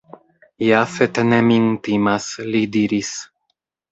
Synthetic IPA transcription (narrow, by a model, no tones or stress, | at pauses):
jafet̪enemint̪imaslid̪iɾis